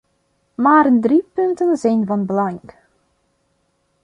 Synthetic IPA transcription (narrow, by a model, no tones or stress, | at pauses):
maːɾəndripɵntənzɛjnvɑnbəlɑŋk